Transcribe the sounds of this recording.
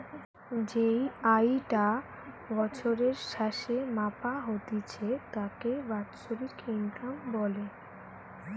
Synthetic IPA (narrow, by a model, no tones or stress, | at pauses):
d͡ʑejajʈa | bɔt͡ɕʰoɾeɾʃaʃemapaɦot̪it͡ɕʰet̪akebat̪ʃoɾiɾkinɡɾambɔle